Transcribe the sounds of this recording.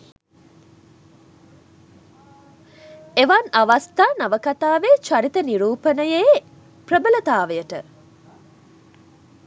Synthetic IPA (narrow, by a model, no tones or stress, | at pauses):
eʋanaʋast̪aːnaʋəkat̪aːʋet͡ʃaɾit̪əniɾuːpənəje | prəbələt̪aːʋəjəʈə